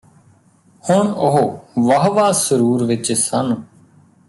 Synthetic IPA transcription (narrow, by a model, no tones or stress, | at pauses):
hʊɳʊɦoːʋəɦʋaːsəɾuːɾʋɪt͡ʃsənː